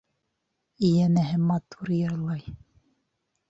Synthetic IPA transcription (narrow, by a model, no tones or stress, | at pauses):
ijænæɦɘmɑt̪uɾjɤɾlˠɑj